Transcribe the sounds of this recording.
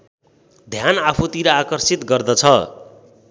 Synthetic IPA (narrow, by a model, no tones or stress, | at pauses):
d̪ʱjanapʰut̪iɾʌakʌrsit̪ɡʌrd̪ʌt͡sʰʌ